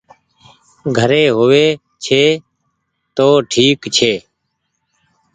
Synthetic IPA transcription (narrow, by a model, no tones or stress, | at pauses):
ɡʱəɾeːɦʊʋeː | t͡ʃʰeː | t̪oːʈʰiːkt͡ʃʰeː